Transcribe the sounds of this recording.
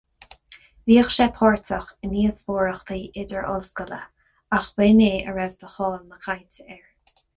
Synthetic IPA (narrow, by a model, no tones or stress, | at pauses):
viːəxʃɛpʰɔːɹt̪ʰəxəniːəsboːɹəxt̪ʰiːʔɪdəɹʔɔ̰lskələ̰ | axbeːneːə̰ɹɛvd̪əxɔːlməkʰajnt̪ʰəɛɹ